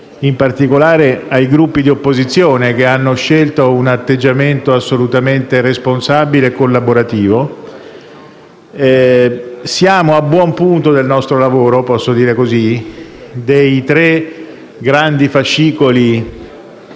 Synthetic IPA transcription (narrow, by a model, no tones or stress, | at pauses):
impart̪ikolaːɾeajɡɾupːid̪iopːozit̪sːjoːnek̟eanːoʃːelt̪ounat̪ːed͡ʒːament̪oasːolut̪ament̪eresponsabileːkːolːaboɾat̪iːvo | sjaːmoabːwɔmpunt̪od̪elnɔst̪ɾolavoːɾopɔsːod̪iːɾekozi | d̪ejt̪ɾe | ɡɾand̪ifaʃːiːkoli